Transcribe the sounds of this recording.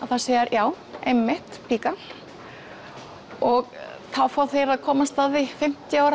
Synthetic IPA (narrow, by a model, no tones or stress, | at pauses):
aðθaðseːjɪɾjaːw | ejmːɪht̪pʰikal | ɔɣθawfaːwθeɪjɾaðkʰɔːmast̪aːððɪfɪm̥t̪jɪaːwɾ